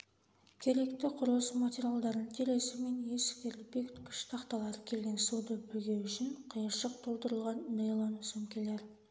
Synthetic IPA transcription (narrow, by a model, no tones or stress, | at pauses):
kʲʰe̞ɾe̞kt̪ɪqʰʊɾlˠəsmatʲeɾijalˠd̪ɑɾənt̪ʰeɾe̞sɪme̞nje̞skʲeɾɪlbe̞k̪kʲʰʏ̥ʃt̪ʰɑqt̪ɑlˠɑɾəkʲʰe̞lɡʲe̞nsud̪əbɪlɡʲe̞wʏʃɪɴqʰəjəɾʃəq̚t̪ʰo̞lˠt̪əɾəlˠʁɑnːejlˠonsɵmkʲele̞ɾ